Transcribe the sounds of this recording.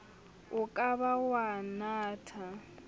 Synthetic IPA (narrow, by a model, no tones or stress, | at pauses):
ʊkʼaβawanaːtʰa